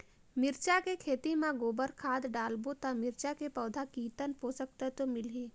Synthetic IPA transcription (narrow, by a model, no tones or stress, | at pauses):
mɪɾt͡ʃakekʰeːt̪imãɡoːbəɾkʰaːd̪ɖaːlbot̪amɪɾt͡ʃakepɔːd̪ʱakiːt̪ənpoːsək̚t̪at̪omɪlɦeː